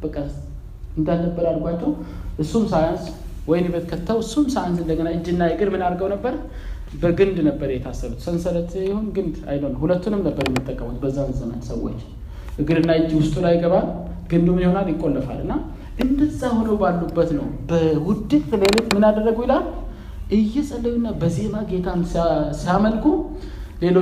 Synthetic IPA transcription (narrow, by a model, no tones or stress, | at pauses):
b̥əkʼəs | ɨnd̪alːəbːəɾalɡʷat͡ʃːɛwʔɨsːumsajanswɔjɪnjɛbet̪kʰət̪ʰːawɨsːumsajansɨnd̪əɡənaɨd͡ʒːiɨnːajɨɡɨɾmɨnaɾɡəwnəbːəɾ | bəɡɨnd̪nəbːəɾjɛt̪ʰasːəβut̪sənsələt̪ʰjihonɡɨnd̪a̰jlonːhulət̪ːunɨmnəbːəɾjɛmːət̪ʼːəkʼːəmot̪̚bəzːamɨzəmə̰nsəwːo̰t͡ʃː | ʔɨɡɨɾɨnːaɨd͡ʒːiwʊst̪ʼulajɪɡəβalɡ̥ɨnd̪umjɪho̞naljɪkʼːo̞lːəfa̰lɨ̰nːa | ʔɨnd̪ɨt̪sahnowbalːubːət̪nə̰wbəwʊd̪ːɨkʼt̪le̞lo̞t͡ʃmɨnad̪ərːəɡujɪlal | ʔɨjːɛsʼəlːəwɨnːabəze̞maɡe̞t̪ʰamssiaməlkʰu | le̞lo